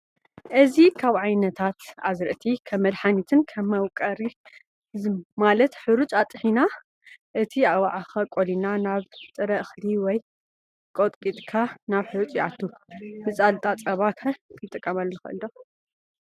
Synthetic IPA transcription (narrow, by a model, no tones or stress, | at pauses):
ʔɨzikʰaβʕajnɐt̪ʰat̪azɾɨʔt̪ʰikʰɐmːɐlħanit̪ʰɨnkʰɐmːɐwkʼɐɾi | zmalɐt̪ħɨɾut͡ʃʼat̪ʼːɨħina | ʔɨt̪ʰiawaʕaxɐkʼolinanaβt͡sʼɨɾɐʔɨxliwɔj | kʼot̪ʼkʼit̪ʼkʰanaβħɨɾut͡ʃʼjʕat̪ʰːumɨt͡sʼalt̪ʼat͡sʼɐβakʰɐkʰɨt̪ʼːɨkʼːɐmɐlnɨxɨ̰ʔɨ̰ldo